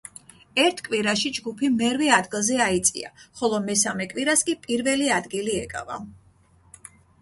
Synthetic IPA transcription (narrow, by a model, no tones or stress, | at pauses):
ɛɾt̪ʰkʼwiɾaʃid͡ʒɡupʰimɛɾvɛad̪ɡilˠzɛait̪sʼḭa̰χɔlˠɔmɛsamɛkʼwiɾaskʼipʼiɾvɛliad̪ɡiliɛkʼa̰va̰